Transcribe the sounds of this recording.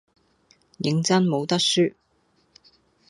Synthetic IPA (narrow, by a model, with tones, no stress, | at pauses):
jɪ˨˧ŋt͡sɐ˥nmo˨˧wt̪ɐ˥k̚syː˥